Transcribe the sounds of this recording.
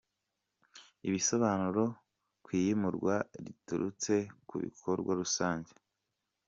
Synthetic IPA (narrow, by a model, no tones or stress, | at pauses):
iβiso̞βaːnuɾo̞ | kwiːjimuɾɡwaɾḭtuɾut͡se̞kṵβḭkʰoɾɡwaɾusaːɲɟe̥